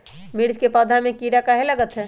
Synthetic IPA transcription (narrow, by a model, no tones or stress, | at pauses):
miɽd͡ʒkepəd̪ʱamekiɾakəɦeləɡət̪ɦɛ